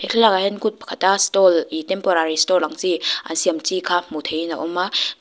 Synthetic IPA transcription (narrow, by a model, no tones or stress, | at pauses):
ekʰelakahɛnkut̚pʰḁkʰatastɔlitɛmpɔɾaɾistɔɾlaŋziʔa̰nsiəmt͡sikʰamut̪ʰejna̰ʔɔma